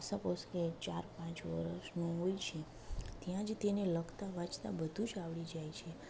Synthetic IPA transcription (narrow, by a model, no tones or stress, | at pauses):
sãposket͡ʃaɾpãt͡ʃʋə̰ɾəʃnũɦojt͡ʃʰe | t̪jãd͡ʒt̪eneləɡt̪aʋãt͡ʃt̪abəd̪ʱũd͡ʒaʋɭid͡ʒajt͡ʃʰe